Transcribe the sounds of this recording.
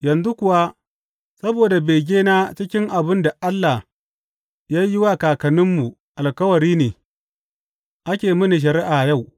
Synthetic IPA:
jɐ˨nzu˦kʷʊ˨wa˦ | sɐ˦boː˨da˨beː˨ɡʲeː˦naː˦t͡ʃɪ˦kʲɪ˦ŋʔa˨bɪ˦nda˨ʔa˦lːa˨h | ja˦jɪ˦wa˦kaː˨kɐ˨nɪ˦mːu˨ | ʔa˨lkɐ˦wɐ˨ɾiː˦neː˨ | ʔa˦kʲeː˨mɪ˦ni˨ʃ̬ɐ˨ɾɪ˦ʔaː˨ja˦˨w

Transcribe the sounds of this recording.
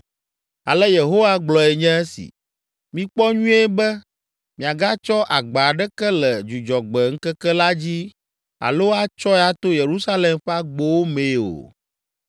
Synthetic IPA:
a̰˨lɛ˦je˨ɦo˦wa˦ɡ͡blɔ˨ɛ˨ɲɛ̃˦ɛ˦sḭ˨ | mĩ˦k͡pɔ˦ɲũ˦e˦bɛ˦ | mĩ˨a˨ɡa˦t͡ʃɔ˦ʔa˨ɡ͡ba˨ɖɛ˦kɛ˦lɛ˨d͡ʒu˨d͡ʒɔ˨ɡ͡bɛ˨ŋ̩˦kɛ˦kɛ˦la˦d͡ʑi˦ | a̰˨lo˦a˦t͡ʃɔ˦ɛ˦a˦t̪o˦je˨ɾu˦sa˦le˨mɸa˦ɡ͡bo˦wo˦mẽ˨o̰˨

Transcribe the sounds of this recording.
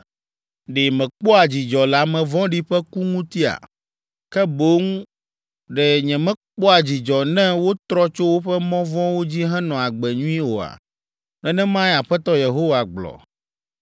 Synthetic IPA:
ɖe˨mɛ̃˨k͡pɔ˦a˨d͡ʑi˨d͡ʒɔ˨la˨mɛ̃˨vɔ̃˦ɖi˦ɸɛ˦ku˦ŋũ˦t̪i˦a̰˨ | kɛ˦bo˦ŋ˦ | ɖɛ˨ɲɛ̃˨mɛ̃˦k͡pɔ˦a˨d͡ʑi˨d͡ʒɔ˨nɛ̃˦wo˦t̪ɾɔ˦t͡ʃo˦wo˦ɸɛ˦mɔ̃˦vɔ̃˦wo˦d͡ʑi˦ɦɛ̃˦nɔ̃˨a˨ɡ͡bɛ˨ɲũ˦ĩ˦wo˨a̰˨ | nɛ̃˦nɛ̃˦mã˦jɛ˦a˨ɸɛ˦t̪ɔ˦je˨ɦo˦wa˨ɡ͡blɔ̰˨

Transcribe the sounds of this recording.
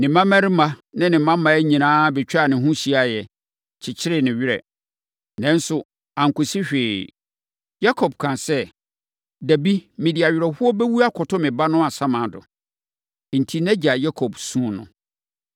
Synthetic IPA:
nɪ̃˨mã˦mɛ̃˦ɾɪ˦mã˦nɪ̃˦nɪ̃˨mã˦mã˨ɛ˦ɲĩ˨nãː˦bɛ˨t͡ɕᶣa˦˨nɪ̃˨ɦũ˦ɕi˦a˨jɛ˨ | t͡ɕʰɪ˨t͡ɕʰɪ˦ɾɪ˦nɪ̃˨ɥɪ˦ɾɛ̰˨ | nɛ̃˦n˦sʊ˨ | ã˨ŋ˨kʊ˨si˦ɕᶣeː˨ | ja˦kʰɔ˨b̚kʰã˨sɛ˦ | dæ˨bi˦mɪ̃˨di˨a˨ɥɪ˨ɾɛ˨hʊ˦ɔ˦bɛ˦wu˦a˦kʰɔ˨tʰɔ˦mɪ̃˨ba˦nʊ̃˦a˨sã˦mã˨dʊ̰˨ | n̩˨tʰi˦nɛ̃˦d͡ʑa˨ja˦kʰɔ˨bsũ˦nʊ̰̃˨

